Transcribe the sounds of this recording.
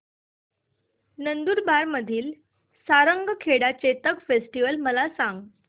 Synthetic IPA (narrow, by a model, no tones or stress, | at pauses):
nənd̪uːɾbaɾməd̪ʱiːl | saɾəŋɡəkʰeɽat͡ɕet̪əkfesʈiʋəlməlasãŋɡ